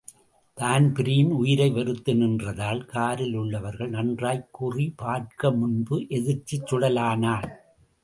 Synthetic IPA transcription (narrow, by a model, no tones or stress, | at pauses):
t̪aːnpɪɾijnʊjɪɾɐɪʋɛɾɯt̪ːɯnɪndrɐðaːlkaːɾɪlɯɭːɐʋɐɾɣɐɭnɐndraːjkːʊripaːɾkɐmʊnbɯʔɛðɪɾt͡ʃːɪt͡ʃːʊɽɐlaːnaːl